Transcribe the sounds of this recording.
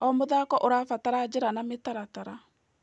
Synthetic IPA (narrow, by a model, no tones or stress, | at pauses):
ɔmoðakɔʔoɾaːfataɾad͡ʑeɾanametaɾataɾa